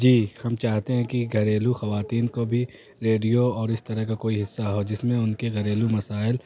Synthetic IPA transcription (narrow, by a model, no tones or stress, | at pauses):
d͡ʒiːhɐmt͡ʃaːɦt̪eɦɛ̃kiɡʱɐɾeːluxɐʋaːt̪iːnkobʱi | ɾeːɖijoɔːɾɪst̪ɐɾɐɦkakoːiɦɪsːaɦoːd͡ʒɪsmẽʊnkeɣɐɾeːlumɐsaːɪl